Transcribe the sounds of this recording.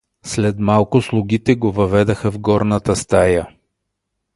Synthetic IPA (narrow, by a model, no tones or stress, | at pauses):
slɛt̪malˠkʊslˠʊɡ̟it̪ɛɡovɐvɛd̪əxəvɡɔɾnət̪əst̪ajə